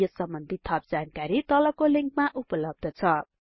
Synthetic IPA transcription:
ʌsʌmbʌnd̪ʱit̪ʰːʌp̚d͡zankaɾit̪ʌlʌkoliŋkmaʔupʌlʌb̚d̪ʱʌt͡sʰʌ

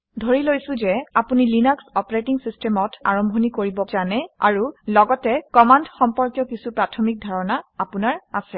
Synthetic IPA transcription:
dʱoɹilojsʊ̃zɛapunilinɔksɔpɹetiŋsistʰɛmɔta̰ɹɔmbʱɔnikoɹibɔzanɛa̰ɹulɔɡɔtɛkɔmandxɔmpɔɹkjɔkisupɹatʰɔmik̚dʱaɹɔnaapunaɹasɛ

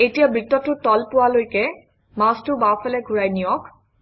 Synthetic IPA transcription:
etijabɹitːɔtːʊtɔlpʊwalojkɛ | mastʊbapʰɛlɛɡʱuɹajnijɔk

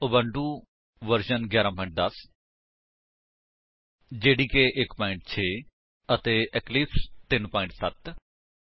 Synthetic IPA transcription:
ʊbəɳɖuː | ʋəɾʃənɡjaːɾãːpɔːɪ̃ɳʈ̚d̪əs | d͡ʒeːɽiːkeːʔɪkpɔːɪ̃ɳʈ̚t͡ʃʰeː | ət̪eːʔɛklipʰt̪ɪnpɔːɪ̃ɳʈsət̪

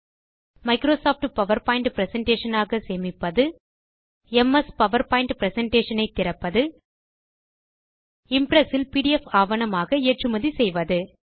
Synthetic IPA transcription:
mɐɪkɾoːsaːfʈpɐʋɐɾpaːjɪɳɖpɪɾɛsɛɳʈeːʂɐnaːɣɐseːmɪpːɐðɯ | ɛmɐspɐʋɐɾpaːjɪɳɖpɪɾɛsɛɳʈeːʂɐnɐɪt̪ːɪɾɐpːɐðɯ | ɪmpɾɛsɪlpiːɽiɛfaːʋɐnɐmaːɣɐeːʈrɯmɐðisɛjʋɐðɯ

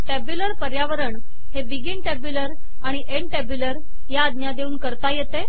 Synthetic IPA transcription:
ʈɛbjuləɾpəɾjaʋəɾəɳ | hebiɡiːɳʈɛbuləɾ | aɽ̃iʔeɳʈɛbjuləɾ | jaːd̪njad̪euːnkəɾt̪ajet̪e

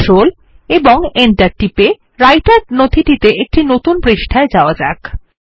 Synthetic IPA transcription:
ol | eboŋenʈaɾʈipe | ɾajʈaɾnod̪ʱʰiʈit̪eʔek̚ʈinot̪unpɾiʃʈʰaed͡ʑaoad͡ʑa̰k

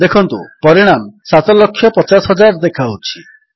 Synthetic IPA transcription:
d̪ekʰɔnt̪ṵpɔɾiɽ̃amsat̪ɔlɔkʰːjɔpɔt͡ʃasɦɔd͡ʒaɾd̪ekʰawt͡ʃʰi

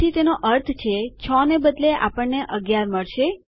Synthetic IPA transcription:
it̪enoʔəɾt̪ʰt͡ʃʰet͡ʃʰɔnebəd̪leʔa̰pəɳːeʔəɡjaɾməɭʃe

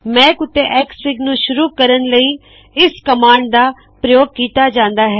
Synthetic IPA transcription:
mɛ̃ːkʊt̪ːeːʔɛːksɪɡnũːʃʊɾuːkəɾənləiː | ɪskəmaːɳɖd̪aː | pɾəjoːɡ̚kiːt̪aːd͡ʒãːnd̪aːɦɛː

